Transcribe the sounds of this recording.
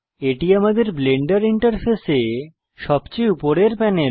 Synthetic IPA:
eʈiamad̪eɾbleɳɖaɾiɳʈaɾpʰese | ʃɔbt͡ɕejupoɾeɾpɛne

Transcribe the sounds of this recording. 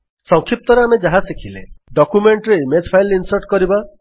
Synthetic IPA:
sɔŋkʰip̚t̪ɔɾeamed͡ʒaɦãsekʰileɖɔkumeɳʈɾeimed͡ʒpʰajlinsɔɾʈkɔɾiba

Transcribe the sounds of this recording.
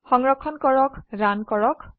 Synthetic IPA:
xɔŋɹɔkʰːɔnkɔɹɔkɹankɔɹɔk

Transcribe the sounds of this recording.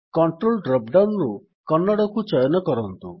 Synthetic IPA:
kɔɳʈɾolɖɾɔp̚ɖawnɾu | kɔnːaɽɔkut͡ʃɔjɔnɔkɔɾɔnt̪u

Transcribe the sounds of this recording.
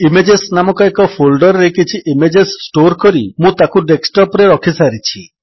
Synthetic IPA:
imed͡ʒesnamɔkɔekɔpʰolɖɔɾɾekit͡ʃʰiʔimed͡ʒesːʈoɾkɔɾimũt̪akuɖeksʈɔpɾeɾɔkʰisaɾit͡ʃʰi

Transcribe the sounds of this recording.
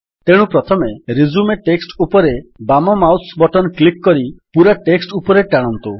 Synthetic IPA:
t̪eɽ̃ũpɾɔt̪ʰɔmeɾizumeʈeksʈupɔɾebamɔmawsbɔʈɔnklikːɔɾipuɾaʈeksʈupɔɾeʈaɽ̃ɔnt̪u

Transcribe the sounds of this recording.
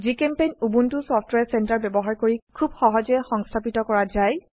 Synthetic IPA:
zikɛmpejnubuntʊsɔftwɛsɛntaɹbɛbɔɦaɹkoɹikʰubxɔɦɔzɛxɔŋstʰapitɔkɔɹazaj

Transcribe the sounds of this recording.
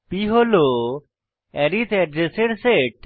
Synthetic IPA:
piɦolo | ɛɾit̪eɖɾeseɽseʈ

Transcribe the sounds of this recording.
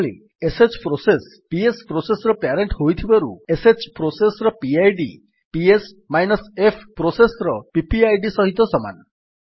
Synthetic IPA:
lḭ | eset͡ʃpɾoses | piespɾosesɔɾɔpaɾeɳʈɦojt̪ʰibaɾṵeset͡ʃpɾosesɾɔpiajɖḭ | pies | majnɔsepʰpɾosesɾɔpipiajɖisɔɦit̪ɔsɔma̰n

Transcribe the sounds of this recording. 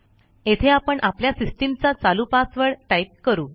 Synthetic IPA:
et̪ʰeapəɳʔapljasisʈimt͡sat͡salupasʋəɭʈaip̚kəɾuː

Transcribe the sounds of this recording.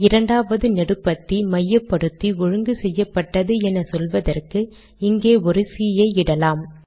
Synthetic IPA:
ɪɾɐɳɖaːʋɐðɯnɛɽɯpːɐt̪ːimɐjːɐpːɐɽɯt̪ːiɔɻɯŋɡɯsɛjːɐpːɐʈːɐðɯɛnɐsɔlʋɐðɐrkɯ | ɪŋɡeːɔɾɯsijɐɪɪɽɐlaːm

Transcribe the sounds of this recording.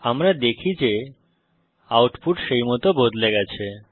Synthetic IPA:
amɾad̪ekʰid͡ʑe | awʈfuʈʃejmɔt̪obod̪leɡɛt͡ɕʰe

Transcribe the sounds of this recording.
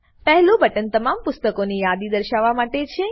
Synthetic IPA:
pɛɦɛlũbəʈənt̪əmampʊst̪əkonijad̪id̪əɾʃaʋːamaʈet͡ʃʰe

